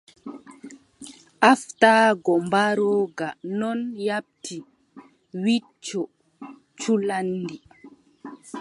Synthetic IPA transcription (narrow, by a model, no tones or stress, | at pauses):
ʔaftaːɡɔmbaɾɔɡanɔnjap̚tʰi | wi | t͡ʃːɔ | t͡ʃulanːdi